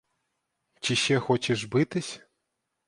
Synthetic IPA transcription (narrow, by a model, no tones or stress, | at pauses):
t͡ɕiɕɛxɔt͡ɕʲɛʐbɨt̪ɨsʲ